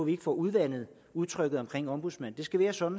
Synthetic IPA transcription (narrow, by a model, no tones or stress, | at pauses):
ɒʋie̝ɡ̥əfɒːuðˠʋæn̰ð̞̩ˠ | uðˠt͡sʰʁœɡ̥ð̞̩ˠɒ̽mkʰʁeŋ̰ɒ̽mb̥uðˠsmænd̥e̝sɡ̥æʋæːɐsɒ̽d̥n̩